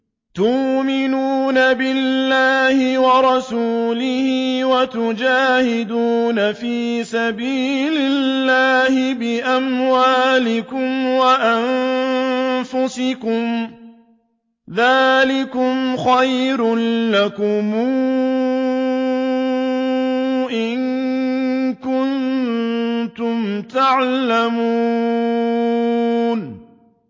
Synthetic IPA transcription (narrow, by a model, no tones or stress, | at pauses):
t̪ʊʔmɪnuːnabɪlːaːhɪwɑɾˤɑsuːlɪhiːwat̪ʊd͡ʒaːhɪd̪uːnafiːsabiːlɪlːaːhɪbɪʔamwaːlɪkʊmwaʔan | fʊsɪkʊm | ðaːlɪkʊmxajɾʊnlakʊmuː | ʔɪn | kʊn | t̪ʊmt̪aʕlamu | n